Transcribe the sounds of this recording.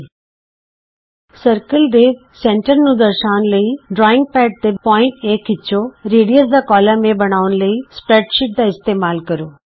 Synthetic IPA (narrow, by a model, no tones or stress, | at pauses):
səɾkəlɖ̪eː | sẽːɳʈəɾnũd̪ɐɾʃaːʊnlɐiɖɾɔːɪ̃ŋɡ̚pɛːʈ̚t̪epɔːɪ̃ɳʈeːkɪt͡ɕʰoɾeːɽijəzd̪akɔːlamẽbɐɽ̃aːʋʊnlɐispɾeːʈʃɪʈ̚d̪aɪst̪eːmaːlkɐɾoː